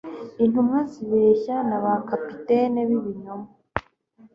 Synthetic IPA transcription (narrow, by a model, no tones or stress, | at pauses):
in̥humŋaziβeːçanaβakapiteneβiβiɲoma